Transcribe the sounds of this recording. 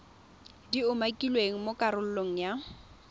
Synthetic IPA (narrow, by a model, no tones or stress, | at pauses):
diʊmakʼilweŋ̩mokʼaɾʊl̩loŋ̩ja